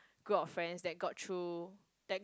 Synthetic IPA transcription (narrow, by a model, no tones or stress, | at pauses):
ɡ̥ɹupɔffɹɛ̃nsdɛt̚ɡɔtʰɹu | d̥ɛt̚